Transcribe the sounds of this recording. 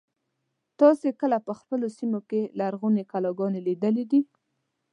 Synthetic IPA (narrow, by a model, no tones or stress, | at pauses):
t̪ɑsekəlapəxpəlosimokelaɾɣunekalɑɡɑnelid̪əlid̪i